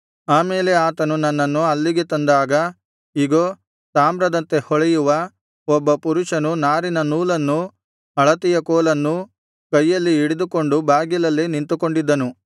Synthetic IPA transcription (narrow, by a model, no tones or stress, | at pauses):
aːmeːle̞aːt̪ɐnunɐnːɐnːuɐlːiɡe̞t̪ɐnd̪aːɡɐ | iɡoː | saːmbɾɐd̪ɐnt̪e̞hɔɭejuʋɐ | ɔbːɐpuɾuʂɐnunaːɾinɐnuːlɐnːu | ɐɭɐt̪ijɐkɔːlɐnːu | kɐjːɐlːiiɽed̪uko̞ɳɖubʱaːɡjilɐlːenint̪uko̞ɳɖid̪ːɐnu